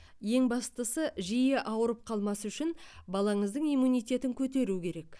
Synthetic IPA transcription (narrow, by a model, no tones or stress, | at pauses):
je̞ŋbɑst̪əsəʒijeʔɑwəɾəp̚qʰɑlˠmɑsʏʃɪnbɑlˠɑɴəzd̪əɴijmunijt̪ʲe̞t̪ɪŋkʲʰɵt̪̬e̞ɾukʲʰe̞ɾe̞k